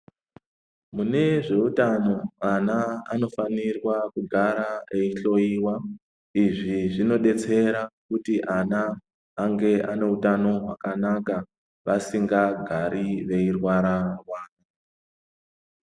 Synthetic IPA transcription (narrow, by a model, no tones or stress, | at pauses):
mune̞ʐe̞utano̞anaano̞fanirwakuɡʱaɾaeiɬo̞iːwa | iʐiʐino̞ɗe̞t͡se̞ɾakutiʔanaː | ŋɡe̞ane̞utano̞ɦwakanaka | ʋasiŋɡaɡʱaɾiʋe̞irwaɾarwaːna